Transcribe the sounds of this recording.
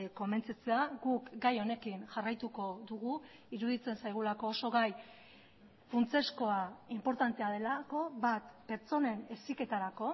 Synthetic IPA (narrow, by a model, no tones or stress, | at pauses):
ko̞me̞nt͡sat͡se̞aɡukɡajo̞ne̞kinʝarajt̪uko̞ðuɣ̞u | iɾuðit͡se̞nsajɣ̞ulako̞ːso̞ɣaj | funt͡se̞sko̞aimpo̞ɾt̪ant̪eað̞e̞lako̞βat̪pe̞ɾt͡so̞ne̞ne̞sike̞t̪aɾako̞